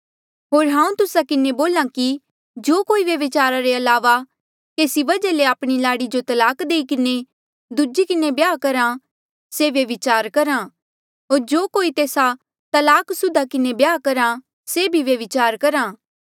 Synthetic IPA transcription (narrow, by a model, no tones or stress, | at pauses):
ɦoːɾɦãːũt̪ʊsakɪneboːlãki | d͡ʒoːkoːiʋjɐʋɪt͡ʃaːɾaɾeɐlaːʋa | keːsibɐd͡ʒaleaːpɽ̃ilaːɽid͡ʒot̪ɐlaːkd̪eːikɪne | d̪ud͡ʒikɪnebjaːkɐɾã | seʋjɐʋɪt͡ʃaːɾkɐɾã | ɦoːɾd͡ʒoːkoːit̪eːsa | t̪ɐlaːksʊd̪akɪnebjaːkɐɾã | sebʱiʋjɐʋɪt͡ʃaːɾkɐɾãː